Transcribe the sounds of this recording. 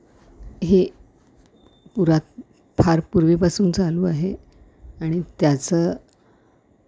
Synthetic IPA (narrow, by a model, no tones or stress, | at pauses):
ɦe | puɾat̪̚ | fʰaɾpuɾʋepasuːnt͡saluːaɦe | aɽ̃it̪jat͡sə